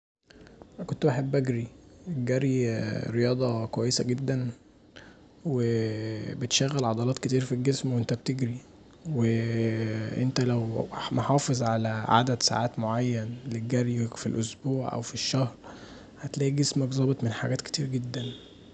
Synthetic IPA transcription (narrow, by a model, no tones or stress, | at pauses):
ækont̪wʔaħebːʔæɡɾieɡæɾiɾejɑːd̪ˤɑkowæjːesæɡed̪ːæn | webet̪ʃæɣːælʕɑd̪ɑlɑːt̪ket̪iːɾfilɡesmwʔent̪æb̚t̪eɡɾi | we | ʔent̪ælæwmoħɑːfezˤʕalæʕa̰d̪æd̪sa̰ʕaːt̪moʕajːænleɡæɾifilʔosbuːʕʔæ̰wfiʃːæhɾ | hæt̪læːʔiɡesmækzˤɑbet̪ˤmenħaɡæːt̪ke̥t̪iːɾɡed̪ːæn